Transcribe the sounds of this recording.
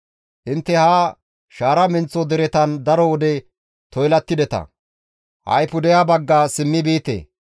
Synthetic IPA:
ʔɪnt̪ːɛhaː | ʃaːɾɐmɪnt͡sːɔd̪ɛɾɛt̪ɐnd̪ɐɾɔwɔd̪ɛ | t̪ɔjlɐt̪ːɪd̪ɛt̪ɐ̰ | hɐ̰jpʊd̪ɛjabɐɡːaːsɪmːɪbiːt̪ḛː

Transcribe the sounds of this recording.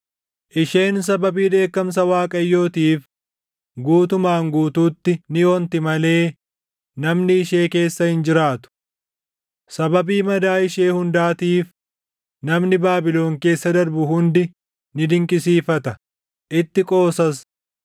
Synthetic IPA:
ʔɪʃe̞ːns̬ɐbɐbiːᶑe̞ːkːɐms̬ɐwaːkʼɐjːo̞ːt̪iːf | ɡuːt̪ʊmaːŋɡuːt̪uːt̪ːɪnɪjɔːnt̪ɪmɐle̞ː | nɐmnɪɪʃe̞ːke̞ːsːɐhɪnd͡ʒɪɾaːt̪ʊ̥ | sɐbɐbiːmɐd̪aːɪʃeːhʊnd̪aːt̪iːf | nɐmnɪbaːbɪlo̞ːŋke̞ːsːɐd̪ɐɾbʊhʊnd̪ɪ | nɪd̪ɪŋkʼɪsiːfɐt̪ɐ | ʔɪt̪ːɪkʼo̞ːsɐs

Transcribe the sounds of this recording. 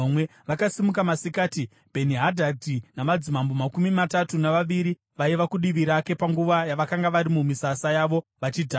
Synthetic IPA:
mweʋakasimukamasikaːti | bʱe̞niɦadʱadinamad͡zimambomakumimatatunaʋaʋiɾi | ʋaiʋakuɗiʋiɾake̞paŋɡuʋajaʋakaŋɡaʋaɾimumisasajaːʋo̞ʋat͡ʃiːdʱa

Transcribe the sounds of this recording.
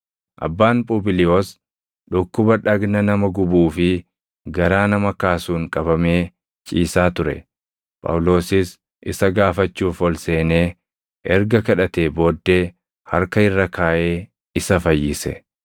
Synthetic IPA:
ʔɐ̰bːaːnpʼʊːbɪlɪjoːs | ᶑʊkːʊbɐᶑɐɡnɐnɐmɐɡʊbuːfɪ | ɡɐɾaːnɐmɐkaːsuːŋkʼɐbɐme̞ː | t͡ʃʼiːsaːt̪ʊɾɛ̰ | pʼɐ̰wlo̞ːsɪs | ʔɪsɐɡaːfɐt͡ʃːuːfɔlse̞ːneː | ʔɛɾɡɐkɐᶑɐt̪e̞ːbo̞ːd̪ːe̞ː | hɐɾkɐɪrːɐkaːʔe̞ː | ɪsɐfɐjːɪsɛ̰

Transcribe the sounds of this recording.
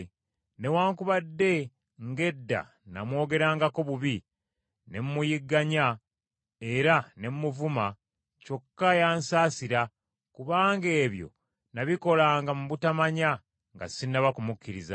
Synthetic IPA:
ne̞waːŋkuβadːe̞ | ŋɡe̞dːa̰ | na̰mwo̞ːɡe̞ɾaːŋɡako̞βuβi | ne̞mumujiɡːaɲa | e̞ɾane̞mumuvuma | co̞kːajaːnsaːsiɾa | kuβaːŋɡe̞ːβjo̞̰ | naβiko̞laːŋɡamuβutamaɲa | ŋɡa̰sinːaβakumukːiɾiza̰

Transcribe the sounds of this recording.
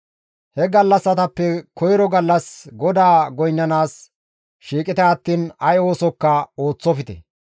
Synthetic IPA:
hɛɡɐlːɐsːɐt̪ɐpːɛkɔjɾɔɡɐlːɐsɡɔd̪aːɡɔjnːɐnaːs | ʃiːkʼɪt̪ɛɐt̪ːiːnɐjo̞ːsɔkːɐo̞ːt͡sːɔfɪt̪ɛ̰

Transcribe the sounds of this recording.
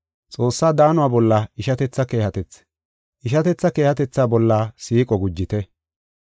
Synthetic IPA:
t͡sʼo̞ːsːaːd̪aːnʊwaːbɔlːɐɪʃɐt̪ɛt͡sːɐke̞ːhɐt̪ɛt͡sː | ʔɪʃɐt̪ɛt͡sːɐke̞ːhɐt̪ɛt͡sːaːbɔlːaːsiːkʼɔɡʊd͡ʒːɪt̪ɛ

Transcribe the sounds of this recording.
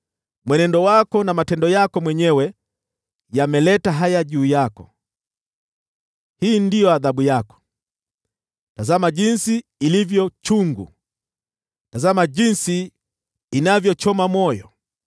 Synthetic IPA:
mwɛnɛndɔwakɔnamatɛndɔjakɔmwɛɲɛwɛ | jamɛlɛtaɦajaʄuːjakɔ | hiːndijɔaðaɓujakɔ̥ | tazamaʄinsiːlivjɔt͡ʃuŋɡṵ | tazamaʄinsiː | navjɔt͡ʃɔmamɔjɔ̰

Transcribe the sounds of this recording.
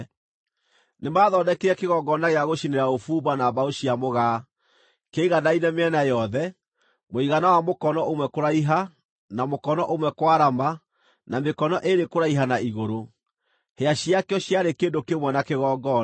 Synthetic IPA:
nemaːðɔdɛkeɾɛkeɣɔɡɔnaɣeaɣoɕineɾaofuːbanaβaoɕiamoɣaː | keiɣanainɛmeɛnajɔðɛ | moiɣanawamokɔnɔʔomwɛkoɾaiɦa | namokɔnɔʔomwɛkwaɾama | namekɔnɔʔeɾekoɾaiɦanaiɣoɾo | heaɕiakjɔɕjaɾekeːndokemwɛnakeɣɔɡɔ

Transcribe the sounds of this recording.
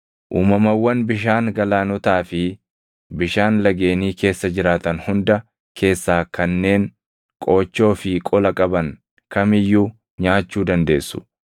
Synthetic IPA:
ʔuːmɐmɐwːɐnbɪʃ̬aːŋɡɐlaːnɔt̪aːfɪ | bɪʃaːnlɐɡe̞ːniːke̞ːsːɐd͡ʒɪɾaːt̪ɐnhʊnd̪ɐ | kʰe̞ːsːaːkɐnːe̞ːŋ | kʼo̞ːt͡ʃːo̞ːfɪkʼɔlɐkʼɐbɐŋ | kɐmɪjːuː | ɲaːt͡ʃːuːd̪ɐnd̪e̞ːsːʊ̥̰

